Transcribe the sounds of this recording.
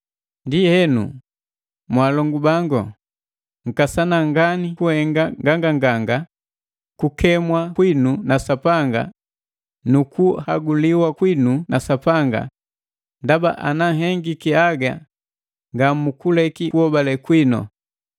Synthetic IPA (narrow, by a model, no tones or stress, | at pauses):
ndihɛnṵ | mwaːlɔŋɡubaŋɡɔ̰ | ŋ̩kasanaŋɡanikuhɛŋɡaŋɡaŋɡaŋɡaŋɡa | kukɛmwakwinunasapaŋɡa̰ | nukuhaɡuliwakwinunasapaŋɡa̰ | ndaba̰ʔa̰naŋɦɛŋɡikiaɡa̰ | ŋɡamukulɛkiuhɔbalɛkwinɔ̰